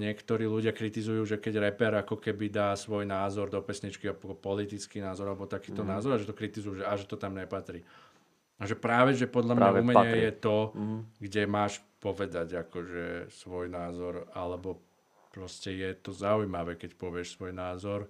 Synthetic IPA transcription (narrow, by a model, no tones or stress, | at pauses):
ɲɪɛkt̪ɔɾiːluɟɪakɾit̪izujuːʒɛkɛɟɾɛpɛɾakɔkɛbid̪aːsʋɔjnaːzɔɾd̪ɔpɛsɲit͡ʃkiɔpɔpɔlit̪it͡skiːnaːzɔɾalɛbɔt̪akiːt̪ɔnaːzɔɾaʒɛt̪ɔkɾit̪izujuːʒɛaʒɛt̪ɔt̪amɲɛpat̪ɾiː | aʒɛpɾaːʋɛʒɛpɔd̪lʎamɲaumɛɛjɛt̪ɔɡɟɛmaːʃ | pɔʋɛd̪aɟakɔʒɛsʋɔjnaːzɔɾa̰lɛbɔ | pɾɔscɛjɛt̪ɔzaujmaʋɛkɛcpɔʋɪɛʃsʋɔjnaːzɔɾ